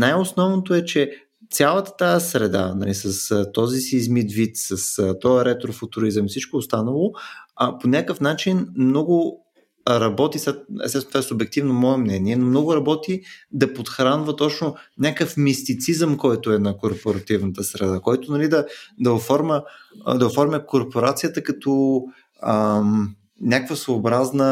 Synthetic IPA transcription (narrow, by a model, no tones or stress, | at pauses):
najosnɔvnot̪oɛt͡ʃɛ | t̪sʲalˠət̪ə̥t̪aəsɾɛd̪a̰nɐ̰lisɐst̪ɔzisiːzmit̪vit̪səst̪ɔəɾɛt̪ɾofʊt̪uɾizəmisit͡ʃkoːst̪anəlˠʊɐponʲakəfnat͡ʃinmnɔɡʊ | ɾɐbɔt̪isɛ̰st̪ɛsnt̪vaɛsʊbɛk̚t̪ivnomɔɛmnɛniɛnomnɔɡʊɾɐbɔt̪id̪ɐpot̪xɾanvət̪ɔt͡ʃnʊnʲakəfmist̪it̪sizəmkɔjt̪ʊɛnɐkoɾpoɾɐt̪ivnət̪əsɾɛd̪akɔjt̪ʊnɐlid̪ɐd̪ɐofɔɾmʲəd̪ɐofɔɾmʲəkoɾpoɾat̪sijət̪əkɐt̪ɔ | ə | nʲakvəsoːbɾaznə